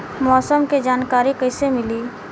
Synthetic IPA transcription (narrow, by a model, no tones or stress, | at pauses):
mɔːsəmked͡ʒaːnkaːɾikɐɪsemɪliː